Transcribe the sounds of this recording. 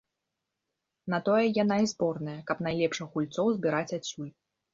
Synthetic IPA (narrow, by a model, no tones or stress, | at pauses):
nɐt̪ɔjɛjanaizbɔrnɐjɐkɐpnajlʲɛpʂɨxɣulʲt̪sɔwzʲbʲiɾat͡sʲasʲːulʲ